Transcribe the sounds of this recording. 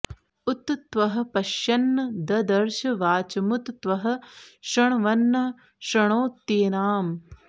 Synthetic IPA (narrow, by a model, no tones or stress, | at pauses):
ut̪t̪ʋɐɦɐ̆pɐʃjɐnːɐd̪ɐd̪ɐɾʃɐʋaːt͡ʃɐmut̪t̪ʋɐɦɐ̆ʃɐɳʋɐnːɐ | ʃɾɐɳoːt̪ːeːnaːm